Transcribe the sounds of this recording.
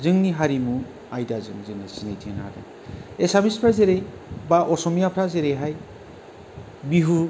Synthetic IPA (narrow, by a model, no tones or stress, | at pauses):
zɯŋniɦaɾimu | ajdazɯŋzɯnasinajtʰiena̰da̰n | esamispʰɾazeɾej | baʔɔsɔmijapʰɾazeɾejɦaj | biɦu